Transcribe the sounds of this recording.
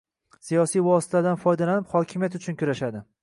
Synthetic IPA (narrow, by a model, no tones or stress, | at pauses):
sijɒsijvɒsɪ̥t̪ʰad̪anfɒjd̪alanɪphɒkʲʰɪmijat̪ʊt͡ʃʰʊnkʲʊɾaʃad̪ɪ